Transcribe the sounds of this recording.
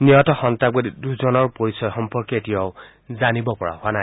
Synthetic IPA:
niɔtɔxɔntabodiduzɔnɔɹpoɹisɔjxɔmpɔɹkɔetijɔʊ | zanibɔpɔɹa̰hʊana

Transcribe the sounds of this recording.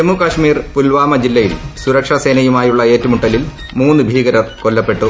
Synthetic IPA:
d͡ʑemːukɐʂmiːrpulʋaːmɐd͡ʑilːɐjilsuɾɐkʂɐse̞ːnɐjumaːjuɭːɐe̞ːtːumuʈːɐlil | muːnːɨbʱiːɣɐɾɐrkolːɐpːe̞ʈːu

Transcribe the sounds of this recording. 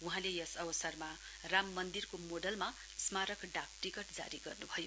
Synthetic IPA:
uɦãlejʌsʌbʌsʌrma | ramːʌnd̪irkomoɖʌlma | smaɾʌkɖak̚ʈikʌʈd͡za̰ɾiɡʌrnubʱʌjo

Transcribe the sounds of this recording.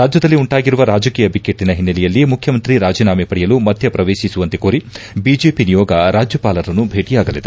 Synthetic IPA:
ɾaːd͡ʒjɐd̪ɐlːiuɳʈaːɡiɾuʋɐɾaːd͡ʒɐkiːjɐbikeʈːinɐɦinːɐlɛjɐlːimukʰjɐmɐnt̪ɾiɾaːd͡ʒiːnaːmepɐɽɛjɐlumɐd̪ʱjɐpɾɐʋeːʃisuʋɐnt̪ekoːɾi | bid͡ʒeːpinijɔːɡɐɾaːd͡ʒjɐpaːlɐɾɐnːubʱeːʈijaːɡɐlid̪e

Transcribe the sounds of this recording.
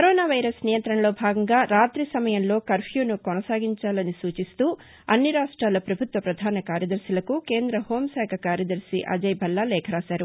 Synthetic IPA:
kɐɾoːnaːʋɐjɾɐsnijɐnt̪ɾɐɳɐlo̞ːbʱaːɡɐŋɡaːɾaːt̪ɾisɐmɐjɐnlo̞ːkɐɾpʰjuːnukɔnɐsaːɡiɲt͡ʃaːlɐnisuːt͡ʃist̪uː | ɐ̰nːiɾaːʂʈɾaːlɐpɾɐbʱut̪ʋɐpɾɐd̪ʱaːnɐkaːɾjɐd̪ɐɾsilɐkuke̞ːnd̪ɾɐho̞ːmsɛːkʰɐkaːɾjɐd̪ɐɾsḭʔɐ̰d͡ʒɐjbʱɐlːalɛːkʰɐɾaːsaːɾu

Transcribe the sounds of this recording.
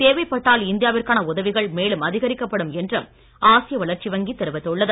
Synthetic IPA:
t̪eːʋɐɪpːɐʈːaːlɪnd̪ɪjaːʋɪrkaːnɐʊðɐʋɪɣɐɭmeːlɯmɐðɪɣɐɾɪkːɐpːɐɽɯmɛndrɯm | aːsɪjɐʋɐɭɐɾt͡ʃiʋɐŋɡit̪ːɛɾɯʋɐt̪ːɯɭːɐðɯ

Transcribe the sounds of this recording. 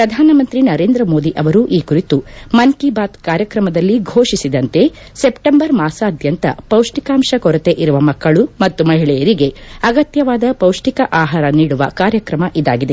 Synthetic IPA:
pɾɐd̪ʱaːnɐmɐnt̪ɾinɐɾe̞ːnd̪ɾɐmoːd̪iʔɐʋɐɾuʔiːkuɾit̪umɐnkibaːt̪kaːɾjɐkɾɐmɐd̪ɐlːiɡʱoːʂisid̪ɐnt̪e̞ | se̞pʈɐmbɐɾmaːsɐːd̪ʱjɐnt̪ɐ̰pɐwʂʈikaːmʃɐkɔɾɐt̪e̞ʔiɾuʋɐmɐkːɐɭumɐt̪ːumɐɦiɭɛjɐɾiɡe̞ɐɡɐt̪jɐʋaːd̪ɐpɐwʂʈikɐʔaːɦaːɾɐniːɽuʋɐ̰kaːɾjɐkɾɐmɐʔid̪a̰ːɡid̪e

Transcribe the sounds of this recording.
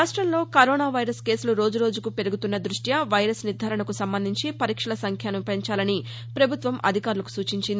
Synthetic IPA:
aːʂʈɾɐmlo̞ːkɐɾoːnaːʋɐjɾɐske̞ːsuluɾo̞ːd͡ʒuɾo̞ːd͡ʒukupe̞ɾuɡut̪unːɐd̪ɾuʂʈjɐʋɐjɾɐsniɾd̪ʱaːɾɐɳɐkusɐmbɐnd̪ʱiɲt͡ʃipɐɾiːkʂɐɭɐsɐŋkʰjaːnupeɲt͡ʃaːlɐni | pɾɐbʱut̪ʋɐmʔɐ̰d̪ʱikaːɾulɐku̥suːt͡ʃiɲt͡ʃind̪i

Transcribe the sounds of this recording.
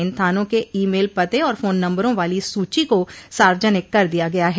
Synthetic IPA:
ɪ̃nt̪ʰaːnõkeiːmeːlpɐt̪eɔːɾfoːnːɐ̃mbəɾõʋaːlisuːt͡ʃikosaːɾd͡ʒənɪkːɐɾd̪ijaɡɐjaɦɛː

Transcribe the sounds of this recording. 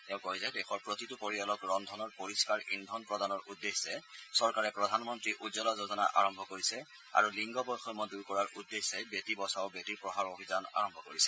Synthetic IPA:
tɛʊ̃kojzɛdɛxɔɹpɹotitupoɹialɔkɹɔndʱɔnɔɹpoɹiskaɹḭndʱɔnpɹɔdanɔɹʔudːesɛsɔɹkaɹɛpɹɔdʱanmɔntɹiʔudzɔlɔzozɔna̰ʔa̰ɹɔmbʱɔkoɹisɛ | a̰ɹuliŋɡɔbɔjxɔmɔduɹkɔɹaɹʔudːesɛbetibɔsaʊbetiɹpɹɔɦaɹobʱizana̰ɹɔmbʱɔkoɹisɛ̥

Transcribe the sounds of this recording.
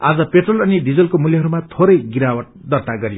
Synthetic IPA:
ad͡zʌpeʈrʌlʌniɖid͡zʌlkomuljʌɦʌɾumat̪ʰoɾʌjɡiɾawʌʈ̚ | d̪ʌrt̪aɡʌɾijo

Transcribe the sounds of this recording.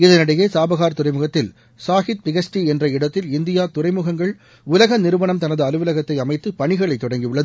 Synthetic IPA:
ɪðɐnɐɽɐjeːsaːbɐɣaːɾt̪ʊrɐɪmɯɣɐt̪ːɪl | saːɣɪt̪̚pɪɣɐsʈiɛndrɐɪɽɐt̪ːɪlɪnd̪ɪjaːt̪ʊrɐɪmɯɣɐŋɡɐɭ | ʊlɐɣɐnɪɾɯʋɐɳɐmt̪ɐnɐðɯɐlɯʋɯlɐɣɐt̪ːɐɪɐmɐɪt̪ːɯpɐɳɪɣɐɭɐɪt̪ːɔɽɐŋɡiʋɯɭːɐð

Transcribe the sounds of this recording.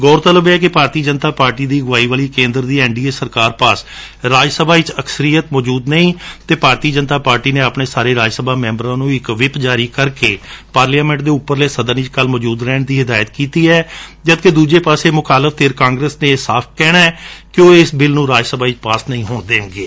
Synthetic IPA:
ɡɔːɾt̪ələbɛːk̬ɪpaːɾt̪iːd͡ʒənt̪aːpaːɾʈiːd̪iːɡʊʋaːiːʋaːliːkẽːnd̪əɾd̪iːɛːɳɖiːeːsəɾkaːɾpaːs | ɾaːd͡ʒsəbʱaːɪt͡ʃəksəɾijət̪mɔːd͡ʒuːd̪nəĩːt̪eːpaːɾt̪iːd͡ʒənt̪aːpaːɾʈiːneːapneːsaːɾeːɾaːd͡ʒsəbaːmɛ̃ːmbəɾãːnũːɪkʋɪpd͡ʒaːɾiːkəɾkeːpaːɾljaːmɛ̃ːɳʈ̚d̪eːʊpːəɾleːsəd̪ənit͡ʃkəlmɔːd͡ʒuːd̪ɾɛːɳd̪iːɦɪd̪aːjət̪kiːt̪iːɛːd͡ʒəd̪ked̪uːd͡ʒeːpaːseːmʊkaːləfʰt̪ʰeːɾkãːŋɡɾəsneːsaːpʰkɛːɽaːɛːkɪoːɪsbɪlnũːɾaːd͡ʒsəbʱaːit͡ʃpaːsnəĩːɦoːnd̪eːŋɡeː

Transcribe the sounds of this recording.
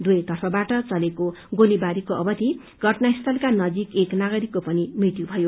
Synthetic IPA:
d̪ujt̪ʌrpʰʌbaʈʌt͡sʌlekoɡolibaɾikoʌbʌt̪i | ɡ̥ʱʌʈnaist̪ʰʌlkanʌd͡zikeknaɡʌɾikːopʌnimrit̪jubʱʌjo

